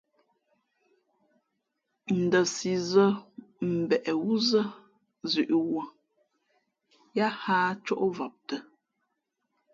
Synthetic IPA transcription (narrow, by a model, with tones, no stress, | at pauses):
n̩˨də˨si˨zə˦m̩˨bɛ˨ʔɛ˨wu˦zə˦ | zʉ˨ʔi˨wə˨ | ja˦haː˦t͡ʃɔ˦ʔo˦va˨p̚tə˨